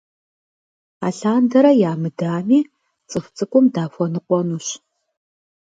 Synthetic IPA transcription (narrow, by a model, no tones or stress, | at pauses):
a̰ːɬaːndɐɾɐjaːmɨdaːmiː | t͡sʼɨft͡sʼɨkʷʼʊmdaːfʷɔnɨqʷɔnuːɕ